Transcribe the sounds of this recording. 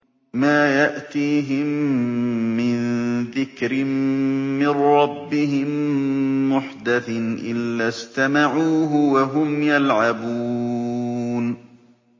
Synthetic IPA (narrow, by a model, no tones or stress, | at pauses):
maːjaʔt̪iːɦɪmː | ɪnðɪkɾɪmː | ɪrɾːɑbːɪɦɪmː | ʊħd̪aθɪnʔɪ̰lːaːst̪amaʕuːɦʊwaɦʊmjalʕabuː | n